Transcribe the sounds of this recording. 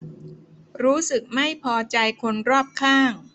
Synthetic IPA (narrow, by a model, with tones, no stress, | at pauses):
ɾuː˦˥sɯ˨˩k̚ma˥˩jpʰɔː˧t͡ɕa˧jkʰo˧nɾɔː˥˩p̚kʰaː˥˩ŋ